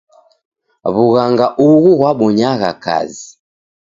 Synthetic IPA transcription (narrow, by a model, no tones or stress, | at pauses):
βuɣaŋɡaʔuɣuɣwaɓɔɲaɣa̰ka̰zi